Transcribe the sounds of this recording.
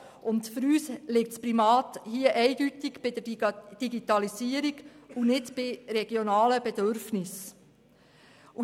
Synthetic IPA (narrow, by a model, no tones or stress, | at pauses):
ʊntføɾyːslɪk̚tspɾimɑːt̪hiəʔɛɪɡ̥ytiɡb̥ɪd̥̪əd̥iɡit̪ɑlisiəɾiɡunɪtb̥ɪɾɛɡjonɑːləbɛd̥̪øɾfnɪs | u